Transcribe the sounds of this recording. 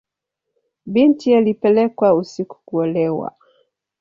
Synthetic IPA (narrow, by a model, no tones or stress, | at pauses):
bintijalipɛlɛkwausiku̥kuɔlɛwa̰